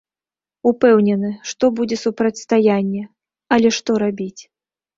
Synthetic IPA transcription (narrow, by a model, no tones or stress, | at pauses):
upɛwnʲɛnɨʂt̪ɔbud͡zʲɛsupɾɐtʲst̪ajanʲːɛ | ɐlʲɛʂt̪ɔɾabʲit͡sʲ